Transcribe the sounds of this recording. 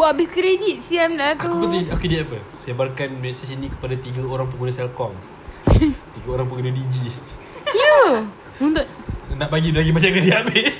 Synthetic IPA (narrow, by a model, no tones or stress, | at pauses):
abiskɾedit̪̚siɛmlat̪upət̪iokediapə | saebarkanmɛsasinĩkə̥padat̪iɡəoɾaŋp̬əɡunəsɛlkɔm | t̪iɡəoɾaŋp̬əɡunədid͡ʒi | ijə | unt̪ʊt̪̚naʔbaɡibaɡibaɲakɾedit̪abɪs